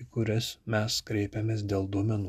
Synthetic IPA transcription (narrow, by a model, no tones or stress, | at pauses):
kʊɾʲɛsmʲɛskɾʲɛɪpʲɛmʲeːsd̪ʲeːlˠd̪uɔmʲɛnu